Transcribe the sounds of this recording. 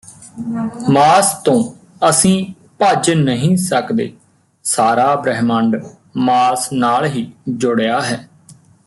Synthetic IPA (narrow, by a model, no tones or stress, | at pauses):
maːst̪õː | əsĩː | paːd͡ʒnəɦĩːsəkd̪ḛː | saːɾaːbɾəɦməɳɖ | maːsnaːlɦiːd͡ʒʊɽjaːɦɛː